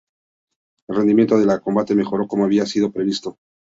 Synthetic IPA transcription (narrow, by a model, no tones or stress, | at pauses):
elred̪imje̞nt̪o̞ðe̞lako̞mbat̪e̞me̞xo̞ɾo̞ko̞moaβiasið̞opɾe̞βist̪o̞